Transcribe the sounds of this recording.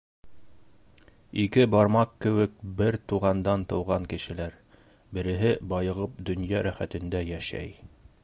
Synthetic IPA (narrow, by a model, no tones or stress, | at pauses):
ikɘbɑɾmɑqkɘ̆wɘk̚bɘɾt̪uʁɑnd̪ɑnt̪ɤ̆wʁɑŋkɘ̆ʃɘ̆læɾ | bɘ̆ɾɘ̆ɦɘbɑjɤ̆ʁɤp̚d̪ɵ̆njɑɾæχæt̪ɘ̆nd̪æjæʃæ̰j